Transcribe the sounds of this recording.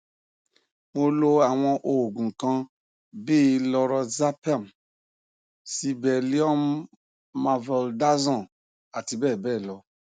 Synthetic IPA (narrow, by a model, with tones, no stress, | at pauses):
mo˧lo˧a˨w̃ɔ̃˧ʔo˨ɡũ˨kã˧ | be˦˧lɔ˧ɾɔ˧za˦pa˦˨m | si˧bɛ˨li˦ɔ˦m | ma˧vɛ˧lda˦zɔ̃˦˨ | a˨ti˧bɛː˦˨bɛ˦˨lɔ˧˦